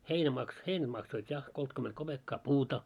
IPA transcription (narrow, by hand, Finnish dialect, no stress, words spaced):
heinæ mɑks heinæd̥ mɑksoit jɑ koltkyment kob̥ekːɑː puːtɑ